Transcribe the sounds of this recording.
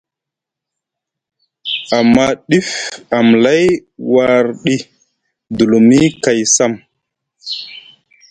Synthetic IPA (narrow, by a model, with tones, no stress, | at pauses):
a˨mːa˦ɗi˦fa˨mla˦jwa˨ɾɗi˦ | du˨lu˨mi˦ka˨jsa˦˨m